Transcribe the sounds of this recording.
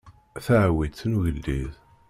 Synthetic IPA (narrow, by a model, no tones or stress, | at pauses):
θæʕwid̪θnuʝəlːið